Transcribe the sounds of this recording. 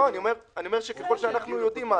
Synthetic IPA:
oaniome̞ʁaniomeʃekeχo̞lʃeanaχnujo̞dimːa

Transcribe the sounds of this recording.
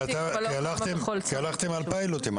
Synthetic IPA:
at̪akalaχt̪emkialaχt̪emalpailot̪em

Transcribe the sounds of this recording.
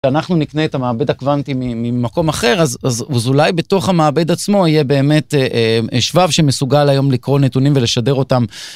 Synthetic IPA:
anaχnunikneːtamaːbe̞dakvantimimimako̞maχe̞ʁazazzulajbe̞to̞χhamaːbe̞d̪at͡smo̞ijebe̞ːme̞tʔʃvavʃemesuɡalajo̞mlikʁo̞netunimveleʃade̞ʁo̞tam

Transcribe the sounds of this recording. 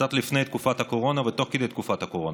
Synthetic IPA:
at̪lʲifnɛjt̪̚kufat̪ɐkoɾɔnɐvɛt̪ɔxkid̪ɛt̪̚kufat̪ɐkoɾɔn

